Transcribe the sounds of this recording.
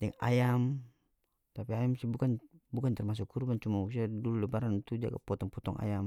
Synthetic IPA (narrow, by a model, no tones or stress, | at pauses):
dɛŋa̰jam | t̪apiajamsibukanbukant̪ɛrmas̬ʊkʰːurbant͡ʃumaus̬iadululɛbaɾant̪ud͡ʒa̰ɡapɔt̪ɔŋpɔt̪ɔŋʔa̰jam